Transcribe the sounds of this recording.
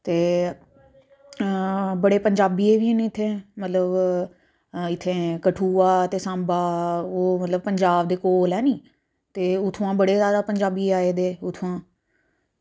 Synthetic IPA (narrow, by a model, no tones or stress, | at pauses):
t̪eː | bəɽeːpəɲd͡ʒaːbiːeːʋiːnẽːɪt̪ʰːẽːmət̪ləb | ɪt̪ʰːẽːkəʈʰuːaːt̪eːsãːmbaːoːmət̪ləbpəɲd͡ʒaːbd̪eːkoːlɛːnĩː | t̪eːʊt̪ʰuãːbəɽeːzjaːd̪aːpəɲd͡ʒaːbiːaːeːd̪eːʊt̪ʰːãː